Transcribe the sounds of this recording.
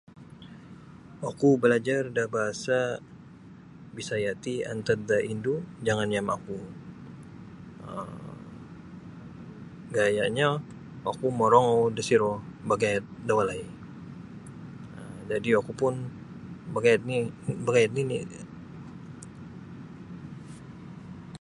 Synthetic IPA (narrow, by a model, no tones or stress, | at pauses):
akubəlad͡ʒardabaɦasa | bisajat̪ia̰nt̪ad̪aʔindud͡ʒaŋanjama̰ku | əm | ɡajaʔɲa | ʔakumɔɾɔŋowdəsiɾɔbaɡajat̪̚dawalai | əmd͡ʒadiwakupʊn | bəɡajt̪nibəɡajat̪̚nini